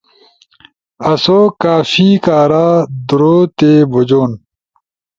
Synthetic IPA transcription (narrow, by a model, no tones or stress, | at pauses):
ɐsoːkaːfiːkaːɾaːd̪uɾoːt̪eːbod͡ʑoːn